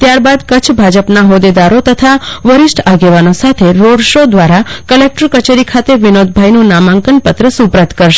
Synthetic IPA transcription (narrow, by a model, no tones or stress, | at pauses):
t̪jaɾbad̪kət͡ʃʰbʱad͡ʒəpnaɦod̪ed̪aɾot̪ət̪ʰaʋəɾɪʃʈʰaɡeʋanosat̪ʰeɾoɖʃod̪ʋaɾakəlek̚ʈəɾkət͡ʃeɾikʰat̪eʋinod̪̚bʱajnũnamãŋkənpət̪ɾəsupɾət̪kəɾʃe